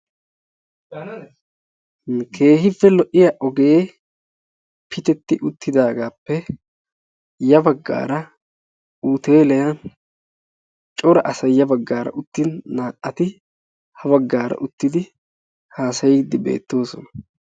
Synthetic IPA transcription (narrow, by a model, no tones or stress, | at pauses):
kʰe̞ːɦɪpːɛlɔʔɪjaʔɔɡe̞ː | pʰɪt̪ɛt̪ːɪʔʊt̪ːɪd̪aːɡaːpːɛ | jɐbɐɡːa̰ːɾɐ | uːt̪eːlɛjɐn | t͡ʃʼɔɾɐʔɐsɐjjɐbɐɡːaːɾɐ̰ʔʊt̪ːɪnːaːʔɐt̪ɪ | hɐβɐɡːaːɾɐ̰ʔʊt̪ːɪd̪ɪ | haːsɐjɪd̪ːɪbe̞̰ːt̪ːo̞ːsɔnɐ̥